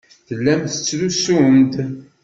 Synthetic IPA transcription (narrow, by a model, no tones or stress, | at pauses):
θəlːæmθə̥t͡sːðusumd̪